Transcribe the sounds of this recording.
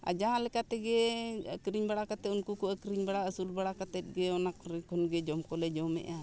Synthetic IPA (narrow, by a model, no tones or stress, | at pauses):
a̰d͡ʒaãlɛkat̪ɛɡɛkɾiɲbaɽakat̪ɛunkukuakɾiɲbaɽaəsulbaɽakat̪ɛt̪̚ɡɛɔnak̚ɾɛkʰɔnɡɛd͡ʒɔmkɔlɛd͡ʒɔmɛ̰ʔa